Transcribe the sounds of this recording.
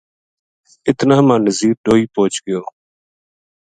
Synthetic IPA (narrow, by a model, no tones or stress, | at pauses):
ɪt̪naːmãːnəziːɾɗoːiːpoːt͡ʃɡɪjoː